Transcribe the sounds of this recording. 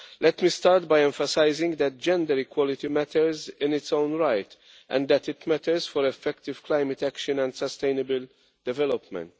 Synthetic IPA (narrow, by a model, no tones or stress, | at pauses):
lɛt̪mist̪aːɾt̪̚bajɛ̃ɱfəsaɪzɪ̃ŋɡd̪ɛt̚d͡ʒɛ̃nd̪əɾikwɔlɪt̪imæt̪ʰəɾzɪ̃nɪtsõʊ̃nɹajt̪ | ʔɛ̰̃nd̪æt̪ɪt̪mæt̪əɾsfɔɾɛfːɛkt̪ɪv̥klaɪmət̪ækʃə̃nɛ̃nd̪səst̪eɪnəbəl | d̪ɛvɛlɔpmɛ̰̃nt